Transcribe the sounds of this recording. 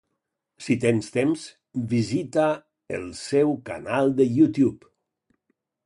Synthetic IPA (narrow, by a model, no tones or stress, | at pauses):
sit̪enst̪ems | bizit̪a | ə̰lˠsewka̰nalˠd̪əjut̪jup